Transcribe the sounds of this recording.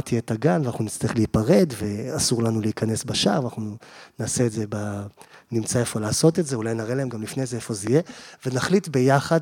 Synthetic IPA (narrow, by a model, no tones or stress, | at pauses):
tietaɡanveanaχnunit͡st̪aeχleipaʁe̞dve̞asuʁlanuleikane̞sbaʃa̰ʁvanaχnunaːse̞ːtzebanimt͡saefo̞laːso̞tetzeulajnaʁelahemɡamlifne̞zeefo̞zijevenaχlitbe̞jaχad